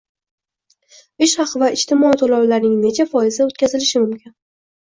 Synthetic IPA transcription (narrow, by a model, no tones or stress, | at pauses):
ɪʃhɑqʰɨvaɪʃt̪ʰɪmɒit̪ʰolawlaɾnɪŋne̞t͡ʃʰafɒɪzaot̪kʲazɪlɪʃɪmʊmkʲɪn